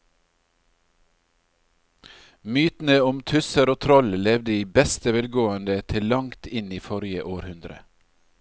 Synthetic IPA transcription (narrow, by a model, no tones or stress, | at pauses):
myːt̪n̩əʊmt̪ʰʉsəɾoːt̪ʰɾɔllɛʋd̪əiːbɛst̪əʋɛlɡoːənd̪ət̪ʰɪlːɑŋt̪ʰɪniːfɔɾjəʔoːɾhʉnd̪ɾə̰